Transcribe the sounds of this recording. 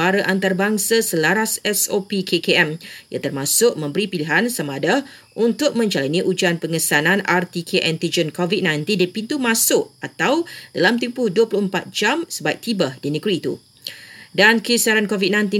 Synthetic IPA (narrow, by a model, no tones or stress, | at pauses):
aɾəʔant̪arbaŋsasəlaɾasɛsopikʰekeɛmja̰t̪ərmãsʊʔ̚mə̃mbəɾipiliɦansamaːda | unt̪ʊk̚mə̃ɲd͡ʒalanĩʔud͡ʒanpəŋəsanãnart̪ikʰeʔɛnt̪id͡ʒənkɔvit̪̚nãjnt̪indipint̪umãsʊʔat̪awd̥alamt̪impʊhduəpulʊhəmpat̪̚d͡ʒamsəbaiʔ̚t̪ibahdinəɡɾiːt̪ṵ | dankisaɾankovit̪̚nãjnt̪i